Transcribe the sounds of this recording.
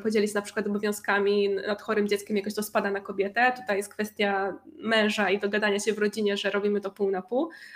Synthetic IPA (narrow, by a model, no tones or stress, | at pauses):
pɔd͡ʑelʲiɕnapʂɘ̥kwat̪ɔbɔvʲjɔ̃w̃skamʲinat̪xɔɾɘmd͡ʑɛtskʲɛmjakɔɕt̪ɔspad̪anakɔbʲjɛt̪ɛt̪u̥t̪ajɛst̪kfɛst̪ʲjamɛ̃w̃ʐaid̪ɔɡad̪aɲaɕɛvɾɔd͡ʑiɲɛʐɛɾɔbʲimɘt̪ɔpuwnapuw